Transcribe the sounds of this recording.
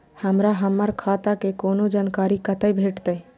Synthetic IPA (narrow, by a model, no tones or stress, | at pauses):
həmɾaɦəmːəɾkʰat̪akekonod͡ʒaːnkaɾikət̪əjbʱeʈt̪əj